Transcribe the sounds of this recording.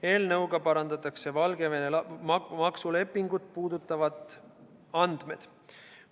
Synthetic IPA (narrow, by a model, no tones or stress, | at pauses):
e̞ːlnɤwɡ̥ɑpɑɾɑnd̪ɑt̪ːˑɑkse̞vɑlɡe̞venelmɑksule̞pːiŋɡ̥ut̪̚puːd̪ut̪ːˑɑvɑd̪ | ɑnd̪̥me̞d̪̥